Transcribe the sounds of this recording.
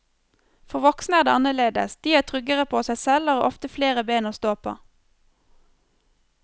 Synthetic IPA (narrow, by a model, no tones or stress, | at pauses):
fɔʁʋɔksnəæːd̪eːɑnəleːd̪ə̰sd̪̥iːæːt̪ʰʁʏɡəʁəpʰoːsæɪsɛlɑːʁo̰ːʔɔft̪əfleːʁəbeːnoːst̪oːpʰo̰ː